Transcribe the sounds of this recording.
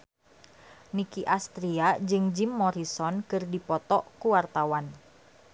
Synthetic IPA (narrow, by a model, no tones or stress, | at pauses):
nikiʔast̪ɾiad͡ʒɨŋd͡ʒimːɔɾisɔnkɨrdipɔt̪ɔʔkuwart̪awan